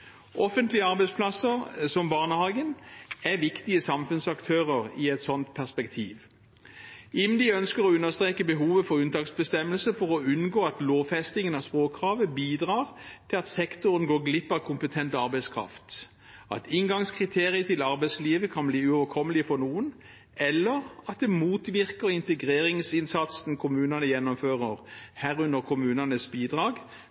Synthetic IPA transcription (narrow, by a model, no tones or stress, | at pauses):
ʔɔfənt̪lɪəɑʁbæɪspʰlɑsəʁsɔmbɑʁnəhɑːɡənæʋɪkt̪ɪəsɑmfʉnsɑkt̪ʰøːʁəʁɪɛt̪sɔnt̪pʰæʁspɛkt̪ʰiːʋ | ʔɪnd̪ɪœnskəʁɔʉnːəst̪ʁeːkəbəɦuːʋəfɔʁʉnt̪ʰɑːksbəst̪ɛmːəlsəfɔʁɔʉnɡoːɑt̪loːʋfɛst̪ɪŋənɑʋspʁoːkʰːʁɑːʋəbiːd̪ʁɑːʁt̪ʰɪlɑt̪sɛkt̪ʊɾənɡoːɡlɪpːɑʋkʰʊmpət̪ʰɛnt̪ɑɾbæɪskʰʁɑ̰ft̪ | ɑ̰t̪ɪŋɡɑŋskʰʁɪt̪ʰeːʁɪət̪ʰɪlɑʁbæɪsliːʋəkʰɑnbliːʉɔːʋəkʰɔməlɪfɔnuːən | ɛlːəʁɑt̪̚d̪ɛmuːt̪ʋɪʁkəʁɪnt̪əɡʁeːʁɪŋsɪnsɑt̪sn̩kʰʊmʉːnɑnəjɛnːɔmføːʁəʁhæːʁʉnəʁkʰʊmʉːnɑnəsbiːd̪ʁɑːɡ